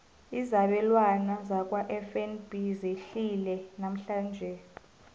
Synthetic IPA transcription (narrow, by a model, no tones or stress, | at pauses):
izaɓɛlwanazak̬ʼwaʔɛfɛnb̥ʱizeɬilɛnam̩ɬaːnd͡ʒʱɛ